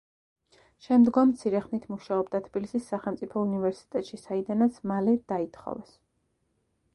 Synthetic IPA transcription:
ʃɛmd̪ɡɔmːt̪sʰiɾɛχnit̪ʰmuʃaɔbd̪at̪ʰb̥ilisisːaχɛlˠmt̪sʼipʰɔunivɛɾsi̥t̪ʼɛt̪ʼʃisaid̪anat̪sʰmalɛd̪̥ait̪ʰχɔ̰vɛs

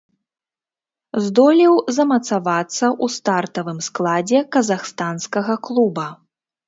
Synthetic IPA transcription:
zd̪ɔlʲiwzɐmɐt̪savat̪sːɐʔust̪art̪ɐvɨmsklˠad͡zʲɛkɐzaxst̪anskɐɣɐklˠubɐ

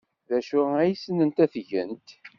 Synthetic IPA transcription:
ðæʃʊʁæjisənənt̪æθʝə̰nt̪

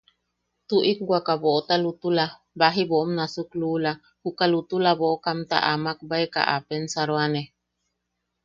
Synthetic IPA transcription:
t̪uʔikɡwʷakaboʔot̪alut̪ula | baɦiboʔomnasuklula | hukalut̪ulaβoʔokamt̪a̰ʔamak̚baeka̰ʔapensaɾoane

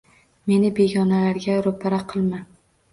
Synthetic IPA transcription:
me̞nɪbe̞ɡʲɒnalaɾɡʲaɾʊpʰaɾaqʰɨlˠma

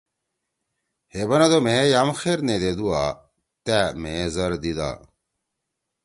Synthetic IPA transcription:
hebɐnɐd̪omejamxeɾned̪ed̪ua | t̪ɛmezɐɾd̪id̪a̰ː

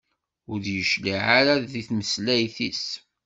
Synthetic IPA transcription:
ʊɾjəʃliʕaɾaðiθməslæjθis

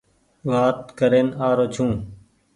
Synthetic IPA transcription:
ʋaːt̪kəɾeːnaːɾoːt͡ʃʰũː

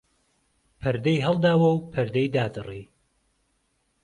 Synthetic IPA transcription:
pʰɨɾd̪ejɦɐlˠd̪aːwɐwpʰɐɾd̪ejd̪aːd̪ɨri

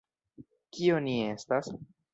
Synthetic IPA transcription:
kio̞nie̞stas

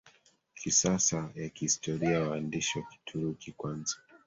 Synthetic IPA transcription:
kʰisasajakihistʰɔɾiawaːndiʃwaki̥tʰuɾukikwanzḁ

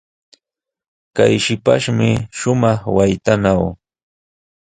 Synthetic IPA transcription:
kajʃɪpa̰ʃmɪʃʊmɑχwajt̪anaw

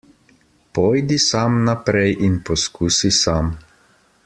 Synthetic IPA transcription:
pɔjd̪isamnapɾɛjʔinpɔskuːsisam

